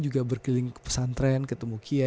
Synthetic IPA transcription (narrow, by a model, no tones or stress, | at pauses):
d͡ʒuɡabərkilɪŋkə̥pə̥sant̪ɾankət̪əmukʰia